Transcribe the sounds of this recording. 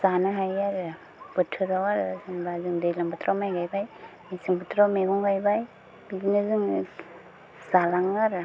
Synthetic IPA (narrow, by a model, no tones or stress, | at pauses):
sanɯɦajaɾɯ | bɯtʰɯɾawaɾɯzɯŋbazɯŋdɯjlaŋbatʰɾamajɡajbajmisɯŋbɯtʰɾawmeɡɔŋɡajbaj | biɡinɯzɯŋ | salaŋaɾɯ